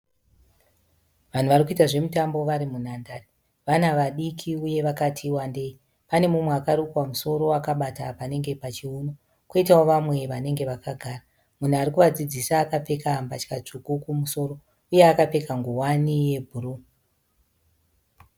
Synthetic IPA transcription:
ʋan̤uʋarikuitaʐe̞mutambo̞ʋaɾimun̤andari | ʋan̤aʋaɗikʰiuje̞ʋakatʰiwande̞ːi | pane̞mumweakaɾukwamuso̞ɾo̞akaɓatapane̞ŋɡe̞pat͡ʃiuno | kwoitawoʋamwe̞ʋane̞ŋɡe̞ʋakaɡʱaːra | mun̤uaɾikuʋad͡zid͡zisaːkap͡fe̞kambat͡ʃkat͡ʂukukumuso̞ro̞ | uje̞akapekaŋɡuwanije̞bʱuɾu

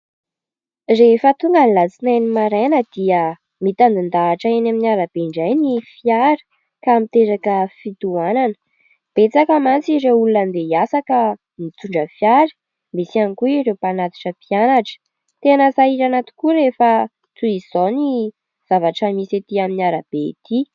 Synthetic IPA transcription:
refət̪uŋɡənilat͡sinajnimaɾenəd̪iə | mit̪and̪ind̪aːʈ͡ʂaenaminiaɾab̥eɳɖ͡ʐajnifiaɾə̥ | kamit̪eɾakəfit̪uananə̥ | b̥et͡sakəmant͡siɾeulunənd̪ejasakə | mit̪uɳɖ͡ʐəfjaɾə̥ | mesianikuiɾewpanat̪i̥ʈ͡ʂəpianaʈ͡ʂə̥ | t̪enasaiɾanat̪u̥kuɾefə | t͡s̪uizoni | z̥avaʈ͡ʂəmiset̪iaminiaɾab̥et̪ʰi

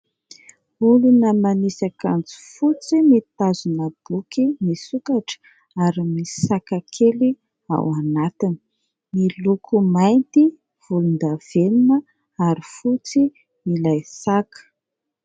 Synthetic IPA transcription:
ulunəmanisakand͡zi̥fut͡simit̪azunəb̥ukimisukaʈ͡ʂə̥ | aɾimisakakʰeli | a̰wanat̪ini̥ | milukumajnt̪i | v̥ulund̪av̥eninə | aɾifut͡si | milajsakə̥

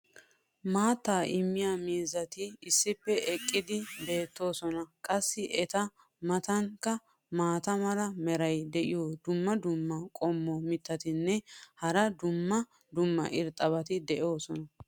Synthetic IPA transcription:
maːt̪ːaːʔɪmːɪjamiːzɐt̪ɪːsːɪpːɛʔɛkʼːɪd̪ɪbe̞ːt̪ːo̞ːsɔnɐkʼɐsːɪʔɛt̪ɐ | mɐt̪ɐŋkːɐ | maːt̪ɐmɐlɐmɛɾɐjd̪ɛʔɪjod̪ʊmːɐd̪ʊmːɐkʼɔmːɔmɪt̪ːɐt̪ɪnːɛhɐɾɐd̪ʊmːɐ | d̪ʊmːɐ̰ʔɪɾt̪ʼːɐβɐt̪ɪd̪ɛʔo̞ːsɔnɐ

